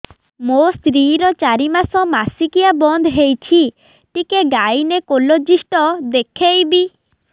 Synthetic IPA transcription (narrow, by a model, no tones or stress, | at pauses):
most̪ɾiɾɔt͡ʃaɾimasɔmasikiabɔnd̪ʱɦejt͡ʃʰi | ʈikeɡajnekolod͡ʒisʈɔd̪ekʰejbi